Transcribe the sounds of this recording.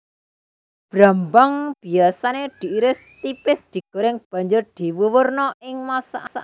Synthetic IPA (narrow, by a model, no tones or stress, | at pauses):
b̥ɾambaŋb̥i̤asaned̪̥i̤iɾɪst̪ipɪsd̪̥i̤ɡ̥o̤ɾɪŋb̥ä̤ɲd͡ʒʊrd̪̥i̤wuwʊrnɔɪŋmasa̰ʔsa̰